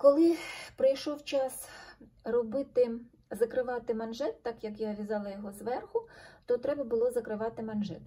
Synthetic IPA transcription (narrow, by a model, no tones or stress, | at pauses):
kɔlˠɪpɾɐjʃɔwt͡ʃɑs | rɔbɪt̪ɪ | zɐkɾɪʋɑt̪ɪmɐnʒɛt̪ːɑkjɐkjaʋʲizɑlˠɐjɔɦɔzʋɛrxʊt̪ɔt̪ɾɛbɐbʊlˠɔzɐkɾɪʋɑt̪ɪmɐnʒɛt̪